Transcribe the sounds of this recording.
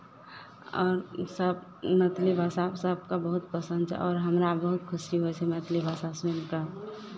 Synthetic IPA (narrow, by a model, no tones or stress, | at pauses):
ɔːɾsəbnət̪libʱasabsəb̚kabəɦʊt̪̚pəsə̃nd̪t͡ʃʰɛ̰ʔɔːɾɦəmɾabəɦʊt̪kʰʊsiɦoɛt͡ʃʰɛmət̪libʱasasenka